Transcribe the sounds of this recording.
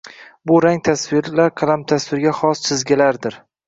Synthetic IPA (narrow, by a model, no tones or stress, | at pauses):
bʊɾaŋt̪ʰasvɪɾlaɾqʰɑlˠamt̪ʰasvɪɾɡʲaχɒst͡ʃʰɪzɡʲalaɾd̪ɪɾ